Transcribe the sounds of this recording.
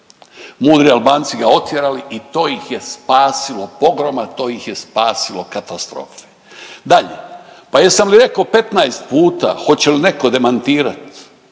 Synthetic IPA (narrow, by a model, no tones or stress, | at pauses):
muːd̪ɾialbaːnt̪siɡao̞t̪jeɾaliʔit̪o̞ːjixje̞spaːsilo̞po̞ɡɾo̞mat̪o̞ːjixje̞spaːsilo̞kat̪ast̪ɾo̰fe̥ | d̪aʎepajesamliɾe̞kaope̞t̪najst̪̚puːt̪a̰xo̞t͡ɕeline̞ko̞d̪e̞mant̪iːɾat̪